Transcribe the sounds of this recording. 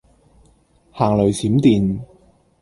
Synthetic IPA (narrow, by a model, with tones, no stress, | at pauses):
haː˨˩ŋlɵ˨˩ɥsiː˨˥mt̪iː˨n